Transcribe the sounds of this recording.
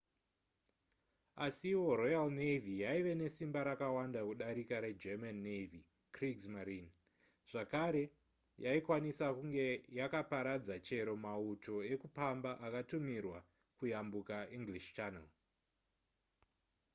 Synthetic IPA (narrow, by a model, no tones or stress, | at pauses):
asiwo̞rojalnevijaiʋe̞ne̞simbaɾakawandakuɗaɾikaɾe̞d͡ʒemanːevi | kriksmaɾin | ʐ̥akaɾe̞ | jaikwanisakuŋɡe̞jakapaɾad͡zat͡ʃe̞ɾo̞mautʰo̞e̞kupambaʔakatumirwa | kujambukaʔiŋɡliʃt͡ʃana̰l